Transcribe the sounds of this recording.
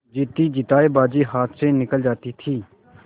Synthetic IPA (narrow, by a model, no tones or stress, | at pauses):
d͡ʒɪt̪ːiːd͡ʒɪt̪aːebaːd͡ʒiːɦaːt̪ʰseːnɪkəld͡ʒaːt̪iːt̪ʰiː